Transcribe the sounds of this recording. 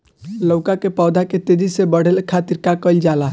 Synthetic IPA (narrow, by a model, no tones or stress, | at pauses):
ləʊkakepawd̪ʱaket̪ed̪isebəɽ̤elkʰat̪iɾkakəɪld͡ʒala